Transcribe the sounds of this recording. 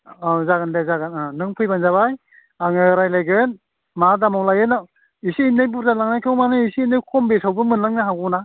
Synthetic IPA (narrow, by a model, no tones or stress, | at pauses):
azaɡandazaɡananɯŋpʰɯjbanzaβaj | aŋɯɾajlajɡɯn | madamawlajɯnaw | isiinɯjbuɾzalaŋnajkʰɯwmanɯisiinɯjkʰɔmbesawbɯmɯnlaŋnaɦawɡuna